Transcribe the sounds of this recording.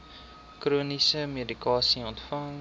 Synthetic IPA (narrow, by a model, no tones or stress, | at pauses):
kruənisəmidikɑːsiɔntfɐŋ